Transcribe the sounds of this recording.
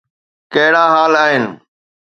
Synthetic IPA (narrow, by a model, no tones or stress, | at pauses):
kɐɦɪɽaːɦaːlaːɦɪnɪ